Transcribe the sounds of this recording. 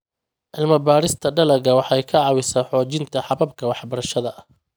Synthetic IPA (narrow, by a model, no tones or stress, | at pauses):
ʔɪlmɐbaːɾɪst̪ʰɐɖɐlɐɣɐwɑħɛjkʰɐʕɑwɪsaːħɔːt͡ʃɪnt̪ʰɐħɑβɐb̚kʰɐwɑħbɐɾɐʃɐðɐ